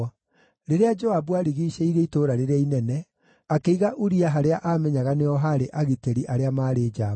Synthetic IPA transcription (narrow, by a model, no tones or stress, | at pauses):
ɾeɾead͡ʒɔaβuaɾiɣiɕɛiɾeitoːɾaɾeɾeainɛnɛ | akeiɣaʔuɾiaɦaɾeaʔamɛɲaɣaneɔɦaɾeʔaɣiteɾiʔaɾeamaːɾeːd͡ʒaː